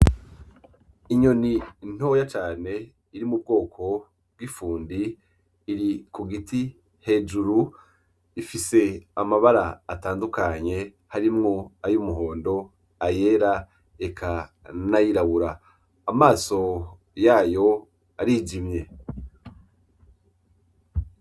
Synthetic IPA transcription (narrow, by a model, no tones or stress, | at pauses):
iɲo̞nin̥ho̞jat͡ʃaːne̞ | iɾimub̚ɡo̞ːkʰo̞ | b̥̚ɡifuːndiː | ɾikuɡiti | he̞ːd͡ʒuɾu | ifise̞amaβaɾaːtaːndukaɲe̞ | haɾimŋo̞ajumuɦo̞ːndo̞ | aje̞ːɾa | ekʰa | najiɾaβuɾaː | maːso̞ | jaːjo̞ | aɾiːd͡ʒimje̞